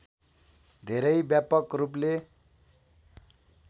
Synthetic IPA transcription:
d̪ʱeɾʌjbjapʌkrup̬le

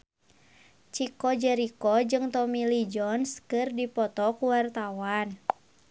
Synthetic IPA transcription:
t͡ʃikɔd͡ʒɛɾikɔd͡ʒɨŋt̪ɔmilid͡ʒɔnskɨrdipɔt̪ɔkuwart̪awan

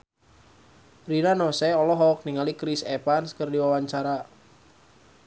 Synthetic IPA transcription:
rinanɔsɛɔlɔɦɔk̚niŋalikɾisɛpanskərdiwawaɲt͡ʃaɾa

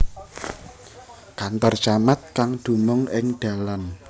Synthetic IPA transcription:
kant̪ɔrt͡ʃamat̪̚kaŋd̪̥ṳmʊŋɪŋɖ̪̥a̤lan

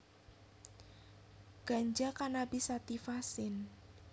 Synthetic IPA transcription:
ɡ̥a̤ɲd͡ʒakanabisat̪ifasɪn

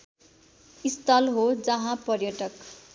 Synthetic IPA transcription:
ist̪ʰʌlɦod͡zʌɦãpʌrjʌʈʌk

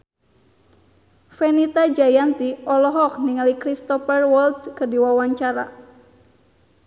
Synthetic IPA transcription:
fenit̪ad͡ʒajant̪iɔlɔɦɔk̚niŋalikɾist̪ɔfərwɔldkərdiwawaɲt͡ʃaɾa̰

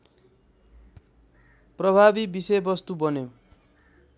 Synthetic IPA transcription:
prʌbʱabibisʌjbʌst̪ubʌno

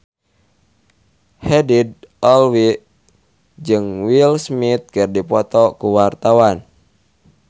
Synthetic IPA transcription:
hɛdid̚ɔlwi | d͡ʒɨŋwilsmit̪̚kɨrdipɔt̪ɔkuwart̪awan

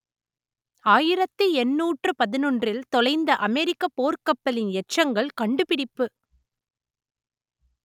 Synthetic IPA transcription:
aːjɪɾɐt̪ːɯɛnːuːʈrɯpɐðɪnɔɳdrɪlt̪ɔlɐɪnd̪ɐʔɐmɛɾɪkːɐpoːɾkɐpːɐlɪnɛʈt͡ʃːɐŋɡɐɭkɐɳɖɯpɪɽɪpːɯ

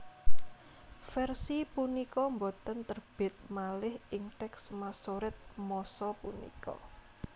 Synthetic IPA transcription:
fɛrsipunikɔmbot̪ənt̪ərb̥ɪ̤t̪̚malɪhɪŋt̪ɛksmasoɾɪt̪̚mɔsɔpunḭkɔ̰

